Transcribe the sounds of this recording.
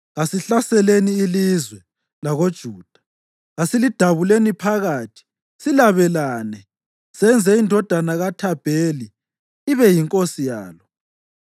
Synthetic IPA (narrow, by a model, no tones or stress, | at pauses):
ɣasiɬasɛleniːlizwɛ | laɣod̥ʒ̥ʱuːd̥ʱḁ | ɣasilid̥ʱaβulenipʰaɣaːtʰi̥ | silaβɛlaːnɛ | sɛnd͡zʱɛindʱɔd̥ʱanaɣatʰab̥ʱeːliː | βɛjiŋkʼosija̰ːlɔ